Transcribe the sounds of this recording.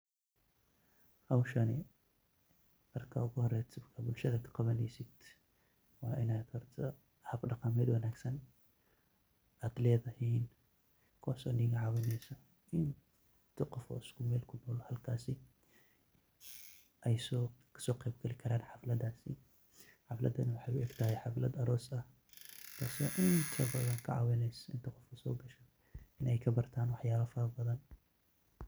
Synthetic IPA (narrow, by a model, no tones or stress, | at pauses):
hawʃane | ɐɾkʰaɡohɾɐt̪kʰabulʃɐt̪ʰat̪ʰːɨ̥qɐβɐnlisit̪ | waʔinajt̪ʰɐɾt̪ʰɐ | hafdɐkɐmed̪wɐnaksɐn | at̪led̪ɐhin | kʰosoniɡɐʕawinesɐ | in | t̪ʰɐqɔfʰɔ̰ɪskʰʊmɛːlkʰʊnɔːlhɐlkʰaːsɪ | ʔɛjsɔ̥ | sɔːqɛjbɡɐlɪkʰɐɾaːnħɑflɐd̪aːsɪ | ħɑflɐ̰d̪ɐnɐwɑħɑjʊʔɛːɡt̪ʰɐɦɛjħɑflɐd̪ɐɾɔːsɐh | k̪ʰɐsɐʔɪnt̪ʰɐbɐðɐŋkʰɐʕɑ̰ːwɛnɛjsʔɪnt̪ʰɐqɔfkʰɐsɔ̰ːɡɐʃɐ | ɪnɛjkʰɐbɐrt̪ʰaːnwɑħjaːβɐfɐɾɐbɐðɐn